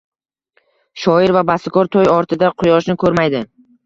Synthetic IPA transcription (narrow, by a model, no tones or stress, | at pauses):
ʃɒɪɾvabasɪkʰɒɾt̪ʰojɒɾt̪ʰɪd̪aqʰʊjɒʃnɪkʰɵɾmajd̪ɪ